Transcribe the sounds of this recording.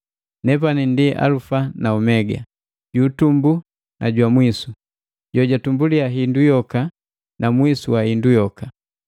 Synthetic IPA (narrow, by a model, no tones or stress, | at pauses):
nɛp̬anindiʔa̰lufanaumɛɡa̰ | ɟuːtumbu | nʔaɟwamwisu | ɟɔɟatumbuliaɦindujɔka | namwisuwahindujɔka